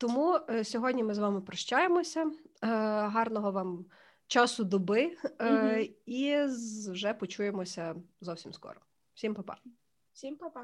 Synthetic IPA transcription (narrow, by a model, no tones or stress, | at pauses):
t̪ɔmusʲɔɦɔdʲnʲimɪzʋɑmɪpɾɔʃt͡ʃɑjemɔsʲɐ | ɦɑrnɔɦɔʋɑm | t͡ʃɑsʊd̪ɔbɪ | iwʒɛpɔt͡ʃujemɔsʲɐzɔwsʲimskɔ̰ɾɔ | wsʲimpɐpɑ̰ | sʲimpɐ